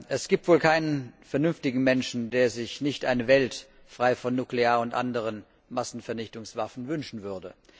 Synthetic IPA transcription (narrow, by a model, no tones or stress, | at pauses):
ʔɛsɡ̥iːp̚tv̥oːlkʰaɪnənfɛɐnʏnftɪɡŋ̩mɛnʃn̩deːɐzɪçnɪçtʔaɪnəvɛlt | fʁ̥aɪfɔnːukleaːɐʊntʔa̰ndəʁ̞ən | masn̩fɛɐnɪçtʊŋsv̥afn̩vʏnʃn̩vʏɐdə